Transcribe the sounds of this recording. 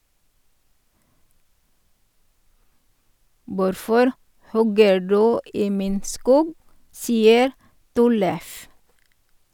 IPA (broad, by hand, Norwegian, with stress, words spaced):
ˈʋʊɾfɔɾ ˈhɔɡə ˈɖʉː ˈiː ˈmiːn ˈskuːɡ ˈsiːəɾ ˈtɔləf